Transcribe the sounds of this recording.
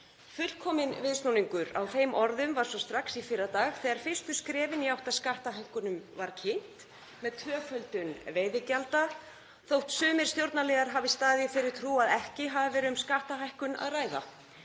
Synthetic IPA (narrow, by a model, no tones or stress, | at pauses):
fʏl̥kʰɔːmɪnvɪðsnuniŋkʏɾa̰wfeːjmʔɔɾðʏmvaɾ̥sɔst̪ɾaksifɪɾat̪aːɣθɛɣaɾ̥fɪ̥st̪ʏskɾɛːvɪniawht̪aðskaht̪aɦajhkʏnʏmvaɾ̥cʰɪn̥t̪ | mɛðt̪ʰvœːfœlt̪ʏnveːjðɪcalt̪a | θowht̪sʏːmɪɾ̥st̪jowɾt̪nalɛːɣaɾ̥ɦavɪst̪aːðɪfɪɾɪɾ̥t̪ʰɾuːaðɛhcɪɦavɪvɛːɾɪʏmskaht̪aɦajhkʏna̰ðraːjða̰